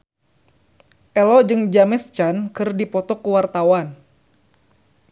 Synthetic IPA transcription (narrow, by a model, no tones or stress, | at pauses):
ʔɛlɔd͡ʒɨŋd͡ʒamɛst͡ʃankɨrdipɔt̪ɔkuwart̪awan